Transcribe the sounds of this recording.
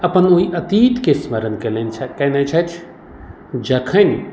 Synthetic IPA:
ɐpənoiʔɐt̪iːt̪kesmɐɾənkelenit͡ʃʰɐkɐnɐt͡ʃʰɐt͡ʃʰ | d͡ʒɐkʰən

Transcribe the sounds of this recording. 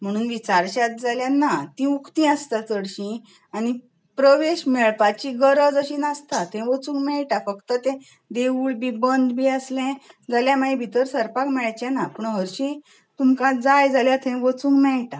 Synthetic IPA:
m̤əɽ̃uːnʋit͡ɕaɾɕat̪̚d͡zaljanːat̪ĩukt̪ĩast̪at͡səɽɕĩ | añi | pɾəʋeɕmeɭpat͡ɕiɡəɾəd͡zəɕĩnast̪at̪ʰɛ̃ʋət͡sũːŋkmɛɭʈafəkt̪ət̪ɛ̃ | d̪euɭbibənd̪biəslɛ̃d͡zaljamaĩbʱit̪əɾsəɾpakmɛɭajt͡ɕɛnapəɳɦəɾɕĩ | t̪umkãd͡zajd͡zaljat̪ʰɛ̃ʋət͡sũŋkmɛɭʈa

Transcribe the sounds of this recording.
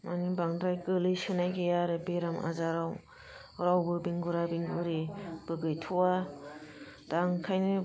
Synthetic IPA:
mʔanibaŋdɾajkɯlɯsɯnajɡejaɾɯbeɾama̰zaɾaw | ɾawbɯbiŋɡuɾabiŋɡɯɾib̥ɯɡɯjtʰuwa | d̥aŋkʰajnɯ

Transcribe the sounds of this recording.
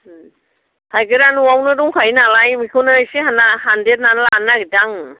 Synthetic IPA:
kʰajɡɯɾanuawnɯduŋkʰajnalajmikʰɯnajsihanahandet̚nanlanaɡidaŋ

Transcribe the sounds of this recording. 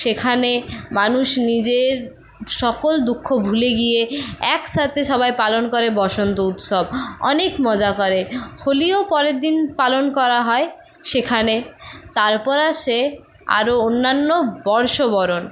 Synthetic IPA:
ʃekʰanemanuʃnid͡ʑeɾ | ʃɔkold̪ukʰːobʱuleɡijeɛkʃat̪ʰeʃɔβajpalonkoɾebɔʃont̪out̪ʃobɔ̰nekmɔd͡ʑakɔɾeholiopɔɾeɾd̪inpalonkɔɾaɦɔe | ʃekʰanet̪aɾpɔɾaʃe | a̰ɾoonːanːobɔɾʃobɔɾon

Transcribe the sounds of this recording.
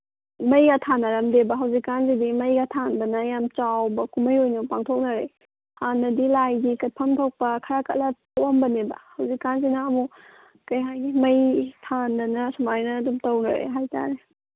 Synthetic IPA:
mɐjɡɐtʰanːɐɾɐmdebɐɦɐwzikːanzidimɐjɡɐtʰandɐnɐjamt͡ʃawbɐkumɐjojnɐpaŋtʰok̚nɐɾe | hanːɐdilajɡikɐt̚pʰɐmtʰowk̚pɐkʰɐɾakɐ̰t̚lɐtowɐmbɐnebɐ̰hɐwzikːanzinɐːmu | kɐjɦajɡimɐjtʰandɐnɐsumaɾnɐːdumtɐwnɐ̰ɾḛɦajta̰ɾe

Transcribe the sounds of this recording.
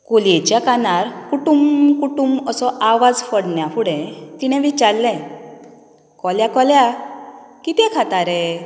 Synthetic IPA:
kolet͡ɕjakanaɾkuʈumkuʈuməsɔʔaʋad͡zfəɽɳjafuɽɛ̃t̪iɽ̃ɛ̃ʋit͡ɕaɾlɛ̃ | kɔljakɔlja | kit̪ɛ̃kʰat̪aɾɛ

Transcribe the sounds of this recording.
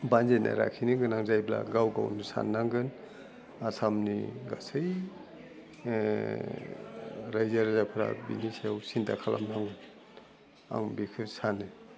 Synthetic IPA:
banzena̰ɾa̰kʰiniɡɯnaŋzajbla̰ɡawɡa̰wnisa̰nːaŋɡɯn | asamnḭɡasɯj | ɾajzaɾzapʰɾa̰bḭniseawsintʰakʰala̰mnaŋɡɯn | a̰ŋbikʰɯsanɯ

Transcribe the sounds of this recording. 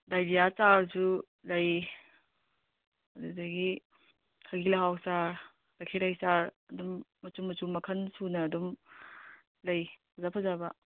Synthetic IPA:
dajdijat͡ʃaɾsu | lɐj | ɐdudɐɡi | kʰɐɡilɐɦawsaɾ | lɐkʰiɾajsaɾɐdumːɐt͡ʃumɐt͡ʃumɐkʰɐnsunɐːdum | lɐjpʰɐzapʰɐzabɐ

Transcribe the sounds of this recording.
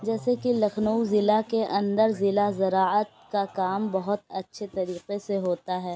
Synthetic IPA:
d͡ʒɛːsekilɐxʰnəuzɪlakeʔɐ̃nd̪əɾzɪlazɐɾaːət̪̚kakaːmbɐɦʊt̪ɐtːʃʰet̪ɐɾiːqeseɦoːt̪aɦɛː

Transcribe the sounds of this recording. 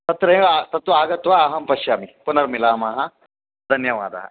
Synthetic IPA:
t̪ɐt̪ɾɐːat̪ɐt̪ʋɐaːɡɐt̪ʋaːɦɐmpɐʃjaːmipunɐɾmilaːmaːɦɐ | d̪ʱɐnjɐʋa̰ːd̪ɐ̰ɦɐ̰

